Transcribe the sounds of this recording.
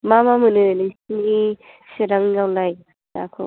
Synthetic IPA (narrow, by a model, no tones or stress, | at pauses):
mamamɯnɯlisni | siɾaŋɡawlaj | ta̰kʰɔ̰